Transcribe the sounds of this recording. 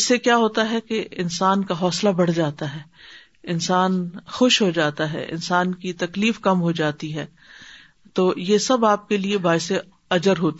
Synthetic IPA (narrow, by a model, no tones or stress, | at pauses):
ɪsːekjaːɦoːt̪aɦɛkeɪnsaːnkaɦɔːslabɐɽ̤d͡ʒaːt̪aɦɛː | ɪnsaːnxʊʃɦod͡ʒaːt̪aɦɛ̰ʔɪ̰nsaːnkit̪ɐkliːfkɐmɦod͡ʒaːt̪iɦɛː | t̪oːjesɐbaːp̚keliebaːɪse | ɐd͡ʒəɾɦoːt̪